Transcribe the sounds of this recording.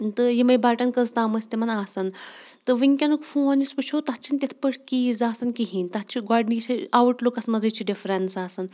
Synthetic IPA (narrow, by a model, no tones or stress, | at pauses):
t̪ɨjimɐjbaːʈɐnkɐzt̪aːməsʲt̪imɐnaːsɐnt̪ɨʋiŋkʲɐnukfũɐnispɨt͡ʃʰot̪at͡ʃʰinʲt̪ʲet̪ʰpəʈʰkizaːsɐnkiɦinʲt̪at͡ʃʰiɡaːɖnit͡ʃʰiaʋuʈlokɐsmɐzɐt͡ʃʰiɖifɾensaːsɐn